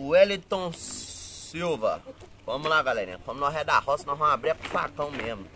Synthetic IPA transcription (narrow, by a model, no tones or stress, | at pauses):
uɛlit̪õ | siwvɐ̰vɐ̃mulaɡalɛɾĩɛ̰̃kõmunɔ̃ɦɛd̪ahɔsnɔɦãw̃abɾiakũfa̰kɐ̃w̃memʊ